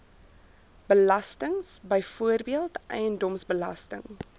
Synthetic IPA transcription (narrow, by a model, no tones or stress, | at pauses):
b̥əlɐstəŋsbəjfuərbiəlˠtʔɛjəndɔmsbəlɐ̰stə̰ŋ